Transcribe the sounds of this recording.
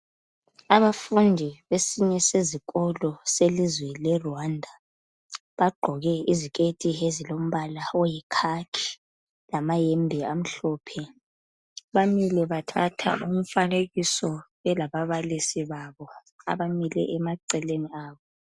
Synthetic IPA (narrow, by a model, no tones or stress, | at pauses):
aβafundʱiβesiɲɛseziɣʼɔlɔselizwɛlɛruwandʱa | βaɡ͡ǃʱɔɣɛizikʼetʼiɦezilom̩βalaɔjɛkʰakʰi̥ | lamajembʱiam̩ɬɔːpʰɛ | βamilɛβatʰatʰa̰ʔum̩faneɣisɔ | ɛlaβaβalisiβaβɔ | a̰βamilɛ̰ʔɛmaǀɛleniaːβɔ